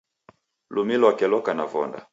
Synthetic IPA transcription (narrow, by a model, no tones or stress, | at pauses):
lumilɔwakɛlɔkanavɔ̰nda̰